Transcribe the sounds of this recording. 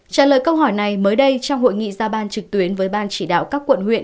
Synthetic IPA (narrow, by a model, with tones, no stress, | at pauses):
t͡ɕaː˧˩lə̰ː˧˨jkə˧wɦɔ˧˩jna˨˩jməː˨˦jɗə˧jt͡ɕɔ˧wŋ͡mho̰˧˨jŋḭ˧˨zaː˧ɓaː˧nt͡ɕɨ˨˩k̚t̪wi˨˦ənvəː˨˦jɓaː˧nt͡ɕi˧˩ɗa̰ː˧˨wkaː˦˥kːwə̰˧˨nhwḭ˧˨ən